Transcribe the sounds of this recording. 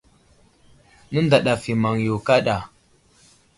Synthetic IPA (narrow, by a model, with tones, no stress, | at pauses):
nə˦nda˨ɗa˨fi˨ma˨ŋjo˨ka˦ɗa˨